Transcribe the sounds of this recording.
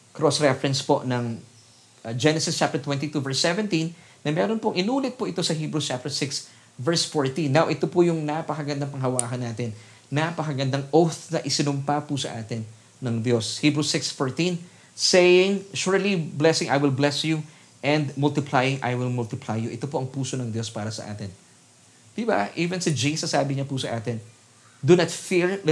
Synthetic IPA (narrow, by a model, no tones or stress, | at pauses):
kɾosɹɛfɾɛ̃nspoʔnɐŋ | d͡ʒɛnɛsɪst͡ʃap̪̚ɛɹt̪wɛ̃nt̪it̪uvɛɹsːɛvɛ̃nt̪inː | ɐmɛːɾonpoŋʔɪnuːlɛt̪̚pʊʔɪt̪o̞sɐhiːbɾust͡ʃap̚t̪ɛɹsɪks | vɛɹsfoɹt̪ĩnːawʔɪt̪opʊjʊŋnapɐkɐɡɐnd̪aŋpɐŋɦɐwaːhɐnːaːt̪ɪn | napɐkɐɡɐnd̪aŋʔowθnɐʔɪsɪnʊmpapʊsɐ̰ʔaːt̪ɪnː | ɐŋd̪jo̞shiːbɹusɪksfoɹt̪in | sɛjɪŋʃuɹliblɛsɪ̃ŋʔajwɪlblɛsju | ʔɛ̃nd̪mʊlt̪ɪplajɪŋʔa̰jwɪlmʊlt̪ɪplajːʊʔɛt̪opo̞ʔɐŋpuːso̞nɐŋd̪jo̞spaːɾɐsɐ̰ʔa̰ːt̪ɪn | d̪̥ɪba̰ʔiːvɛnsɪd͡ʒejsɐsaːbɪɲɐpʊsɐʔaːt̪ɪn | d̪unɐt̪fiɹ